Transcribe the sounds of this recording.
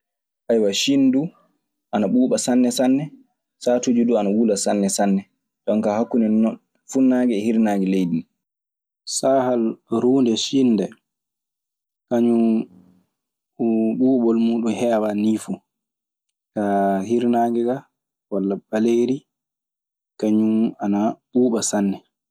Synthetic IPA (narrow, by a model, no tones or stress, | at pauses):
ʔajwaʃinːdu | ʔanaɓuːɓasanːɛsanːɛ | satud͡ʒuduanawulasanːɛsanːɛ | tɔŋkahakːunɛnɔn | funːaːɡɛhiɾnaːɡɛlejdin | saːhalɾuːndɛʃinːdɛ | kaɲu | ɓuːɓɔlmuːɗumhɛːwaniːfu | kahiɾnaːɡɛɡa | walːaɓaleɾi | kaɲuanaɓuːɓasanːɛ